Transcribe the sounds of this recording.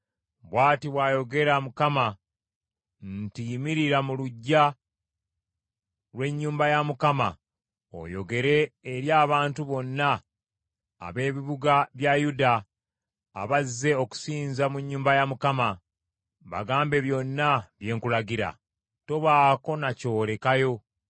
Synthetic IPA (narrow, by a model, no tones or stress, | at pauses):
βwaːtiβwajo̞ɡe̞ɾamukama | ntimiɾiɾamuluɟːa | ɾwe̞ɲːuːmbajamukama | o̞̰jo̞̰ɡe̞ɾe̞ːɾjaːβaːntuβo̞nːaː | βe̞ːβiβuɡaβjajuda̰ː | βazːe̞o̞ku̥siːnzamuɲːuːmbajamukama | βa̰ɡaːmbe̞βjo̞nːaβje̞ːŋkulaɡiɾa̰ | to̞βaːko̞naco̞ːɾe̞kajo̞